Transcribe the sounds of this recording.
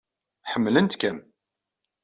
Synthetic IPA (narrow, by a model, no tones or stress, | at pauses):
ħəmːlənt̪kæm